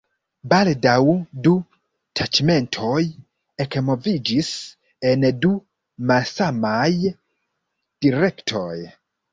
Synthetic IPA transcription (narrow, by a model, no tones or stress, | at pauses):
baldawdu | tʰat͡ʃme̞ntʰo̞j | ekmo̞vid͡ʒis | e̞ndu | malsamaj | d̥iɾe̞ktʰo̞j